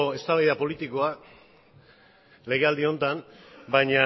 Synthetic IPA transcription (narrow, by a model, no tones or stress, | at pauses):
e̞st̪aβajðapo̞lit̪iko̞a | le̞ɣe̞ald̪io̞nt̪anbajɲa